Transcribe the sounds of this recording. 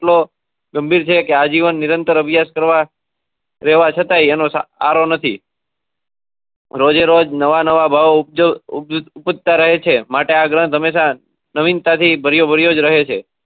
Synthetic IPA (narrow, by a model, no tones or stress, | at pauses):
ʈlo | ɡəmbʱiɾt͡ʃʰekead͡ʒiʋənːɪɾənt̪əɾəbjaskəɾʋa | ɾɛɦʋat͡ʃʰət̪ajenosaa̰ɾonət̪ʰi | ɾod͡ʒeɾod͡ʒnəʋanəʋabʱaʋo | upəd̪̚t̪aɾəɦet͡ʃʰemaʈeaɡɾə̃t̪ɦəmeʃa | nəʋint̪at̪ʰibʱəɾjobʱəɾjod͡ʒɾəɦet͡ʃʰe